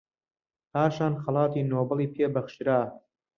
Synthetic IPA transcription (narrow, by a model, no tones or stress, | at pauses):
haːʃɑːnxɐlˠɑːt̪iːnoːbɨlˠiːpʰeːbɐχʃɾaː